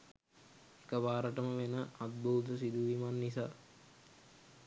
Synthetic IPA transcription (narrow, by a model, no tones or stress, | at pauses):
ekəʋaːɾəʈəməʋenəʔat̪̚buːt̪əs̬id̪uʋimanːis̬aː